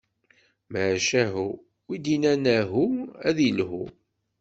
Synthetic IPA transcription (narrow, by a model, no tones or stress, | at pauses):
məʕʃæɦu | wid̪inænæɦuæðilɦṵ